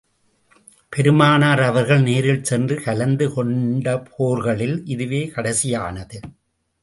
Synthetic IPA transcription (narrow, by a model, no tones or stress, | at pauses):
pɛɾɯmaːnaːɾɐʋɐɾɣɐɭneːɾɪlsɛndrɯkɐlɐnd̪ɯkɔɳɖɐpʰoːɾɣɐɭɪlʔɪðɯʋeːkɐɽɐsɪjaːnɐðɯ